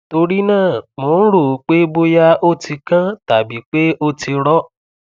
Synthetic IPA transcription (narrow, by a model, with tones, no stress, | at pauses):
to˧ɾi˦nãː˦˨mo˨˦n̩˦ɾo˨˦k͡pe˦bo˦ja˦o˦˨ti˧kã˦ta˨bi˨˦k͡pe˦o˦˨ti˧ɾɔ˦